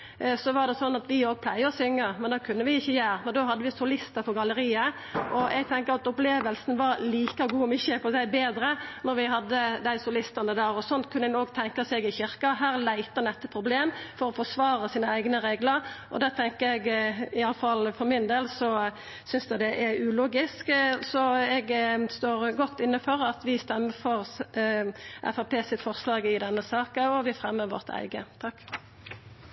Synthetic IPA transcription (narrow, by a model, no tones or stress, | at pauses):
sɔʋɑʁd̪ɛsɔnːɑt̪ʋɪoːɡ̚pʰlæɪəɔsʏŋːəmɛnd̪oːkʰʉnːəʋɪɪçːəjæːɾmɛnd̪oːɦɑd̪ːəʋɪsʊlɪst̪əfɔɡɑləɾiːə | ʔɔʔɛɡ̚t̪ʰɛŋkəɾɑt̪ʊpleːʋəlsn̩ʋɑɾliːkɑɡuːɔmɪçːəpɔsæɪbeːd̪ɾənɔɾʋɪɦɑd̪ːəd̪æɪsʊlɪst̪ənəd̪æːɾɔsɔnt̪kʰʉnːɪnoːɡt̪ʰɛŋkɑsɛɡɪçɪɾkɑɦæːɾlæɪt̪ənɛt̪ːəpʰɾʊbleːmfɔʁɔfɔsʋɑːʁəsiːnəæɪɡnəʁeːɡləɾʔɔ̰d̪ɛt̪ʰɛŋkəɛɡɪɑləfɑlfɔʁmɪnd̪eːlsɔ | sʏnsd̪ɛd̪ɛʔɛʉluːɡɪsksɔɛɡst̪oːʁɡɔt̪ːɪnːəfɔɾɑt̪ʋɪst̪ɛmːəfɔʁ | ʔɛ̰fæpʰeːsɪt̪fɔʁslɑːɡɪd̪ɛnːəsɑːkəɔʋɪfɾɛmːəɾʋɔ̰ʁt̪ʰæ̰ɪɡət̪ʰɑkː